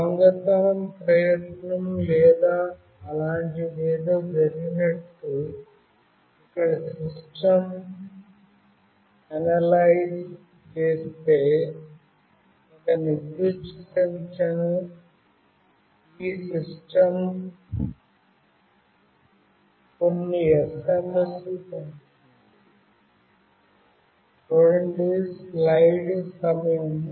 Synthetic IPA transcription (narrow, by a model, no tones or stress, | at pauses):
ɐŋɡɐt̪ɐɳɐmpɾɐjɐʈɳɐmlɛːd̪aː | ɐlaːɳʈimɛːd̪oːd͡ʒɐɾiɡinɐʈːu | ikːɐɽɐsiʂʈɐm | ɐnɐlajd͡ʒ | t͡ʃeːst̪eː | ɐkɐniɡisʈɐnt͡ʃɐn | isisʈɐm | konːiesemesi | oɾɳɖislajɖsɐmɐjɐm